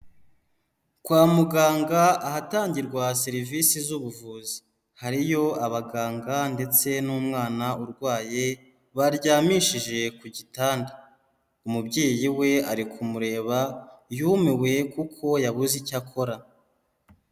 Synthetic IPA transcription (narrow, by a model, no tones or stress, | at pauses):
kwaːmuɡaːŋɡaahataːɲɟiɾɡwaseɾivisizuβuvuːzi̥ | haɾijo̞aβaɡaːŋɡande̞t͡se̞nuːmŋaːnauɾɡwaːje̞ | βaɾɟaːmiʃiʒe̞kuɟitaːnda | umubɟeːjiwe̞aɾikʰumuɾe̞ːβajumewe̞kukʰo̞jaβuzicakʰo̞ɾa